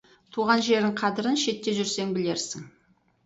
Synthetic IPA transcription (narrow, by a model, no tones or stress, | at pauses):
t̪ʰuʁɑnʒe̞ɾɪɴqʰɑd̪ɪɾənʃe̞t̪ːe̞ʒʏɾse̞ŋbɪle̞ɾsɪŋ